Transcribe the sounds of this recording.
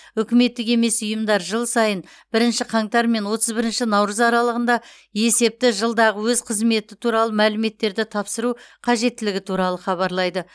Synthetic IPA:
ʏkʲɪme̞t̪ːɪke̞me̞sʊjəmd̪ɑɾʒəlˠsɑjən | b̥ɪɾɪnʃɪqʰɑɴt̪ɑɾme̞nwo̞t̪ʰəzbɪɾɪnʃɪnɑwɾəzɑɾɑlˠəʁənd̪ɑ | je̞se̞p̚t̪ɪʒəlˠd̪ɑʁəwɵzqʰəzme̞t̪ɪt̪ʰuɾɑlˠəmælɪme̞t̪ːe̞ɾd̪ɪt̪ʰɑpsəɾuqʰɑʒe̞t̪ːɪlɪɡʲɪt̪ʰuɾɑlˠəχɑβɑɾlˠɑjd̪ə

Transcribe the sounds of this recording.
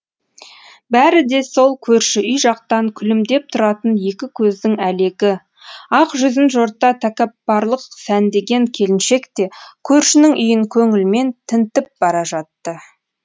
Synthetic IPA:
bæɾɪd̪e̞so̞lˠkʲʰɵɾʃɪʔʏjʒɑq̚t̪ɑŋkʲʰʏlɪmd̪e̞p̚t̪ʰʊɾɑt̪ənje̞kʲɪkʲʰɵzd̪ɪŋæle̞ɡʲɪ | ɑqʒʏzɪnʒo̞ɾt̪ːɑt̪ʰækʲɑpːɑɾlˠəqsænd̪e̞ɡʲe̞ŋkʲʰe̞lɪnʃe̞kt̪e̞kʲʰɵɾʃɪnɪŋʔʏjɪŋkʲʰɵŋɪlme̞nt̪ʰɪnt̪ɪp̚b̥ɑɾɑʒɑt̪ːə

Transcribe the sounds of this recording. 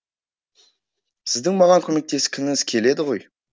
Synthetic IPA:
sɪzd̪ɪŋmɑʁɑŋkʲʰɵme̞k̚t̪e̞sɪ̥kʲʰɪnɪŋɪzkʲʰe̞le̞d̪ɪʁo̞j

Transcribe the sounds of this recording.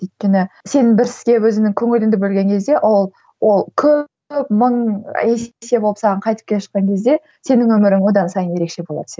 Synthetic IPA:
ɵjt̪̚kʲe̞nɪse̞nɪŋbɪɾsɪ̥zɡʲe̞wɵzɪnɪŋkʲʰɵŋɪlɪnd̪ɪbɵlɡʲe̞ŋkʲʰe̞zd̪e̞ʔolˠ | wʔo̞lˠkʲʰɵ | pməɴese̞boəpsɑʁəɴqʰɑjt̪ə̥p̚kʲʰe̞ʃə̥qːɑŋkʲʰe̞zd̪e̞ | se̞nɪŋwɵmɪɾɪŋwo̞d̪ɑnsɑjənjeɾe̞kʃe̞bo̞lˠɑ̰d̪ə̥s

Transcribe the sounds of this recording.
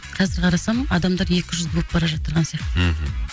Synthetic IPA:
qʰɑzɪɾqʰɑɾɑsɑməɴɑd̪ɑmd̪ɑɾje̞kʲɪʒʏzbop̚bɑɾɑʒɑt̪əɾʁɑnsijɑqt̪

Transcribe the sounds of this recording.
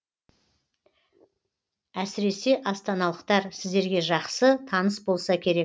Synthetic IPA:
æsɪɾe̞se̞ʔɑst̪ɑnɑlˠəqt̪ɑɾsɪzd̪e̞ɾɡʲe̞ʒɑqsət̪ʰɑnəsbo̞lˠsɑkʲʰe̞ɾe̞k̚

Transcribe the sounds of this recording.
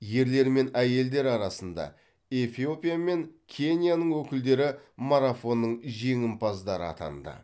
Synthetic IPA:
je̞ɾle̞ɾme̞næje̞ld̪e̞ɾɑɾɑsənd̪ɑ̰ | e̞fio̞pʲijame̞ŋkʲʰe̞nʲjanəɴwɵkʲɪld̪e̞ɾɪmaɾafo̞nːəɴʒe̞ŋʲɪmpʰɑzd̪ɑɾə̰ɑ̰t̪ʰɑ̰nd̪ə̰

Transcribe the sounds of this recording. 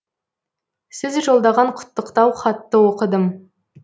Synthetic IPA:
sɪzʒo̞lˠd̪ɑʁɑɴqʰʊ̥t̪ːəqt̪ɑwχɑt̪ːəwoqəd̪əm

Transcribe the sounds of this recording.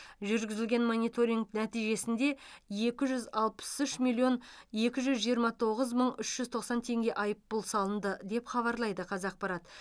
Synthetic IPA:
ʒʏɾɡʲɪzɪlɡʲe̞nmonʲijt̪o̞ɾʲiŋɡnæt̪ijʒe̞sɪnd̪e̞je̞kʲɪʒʏzɑlˠpə̥sʏʃmilʲːijo̞nje̞kʲɪʒʏzʒijəɾmɑt̪ʰo̞ʁəzməɴʏʃʒ̥ʏzt̪ʰo̞qsɑnt̪ʰe̞ŋɡʲe̞ʔɑjəpːʊlˠsɑlˠənd̪əd̪e̞pχɑβɑɾlˠɑjd̪əqʰɑzɑq̚pɑɾɑt̪

